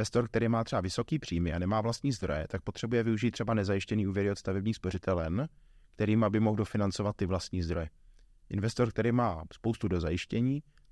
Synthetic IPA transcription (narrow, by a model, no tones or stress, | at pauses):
vɛst̪o̞ɾkt̪ɛɾiːmaːt̪r̥ɛbavɪso̞kiːpr̝̥iːmɪanɛmaːvlast̪ɲiːzd̪ɾo̞̰jɛ̰t̪ak̚po̞t̪r̥ɛbujɛvɪuʒiːt̪ːr̥ɛbanɛzajɪʃcɛniːuːvjɛɾɪot̪st̪avɛbɲiːxspo̞r̝ɪt̪ʰɛlɛn | kt̪ɛɾiːmabɪmoɣdo̞fɪnant͡so̞vat̪ːɪvlast̪ɲiːzd̪ɾo̞jɛ | ʔɪnvɛst̪o̞ɾk̚t̪ɛɾiːmaːspowst̪udo̞zajɪʃcɛɲiː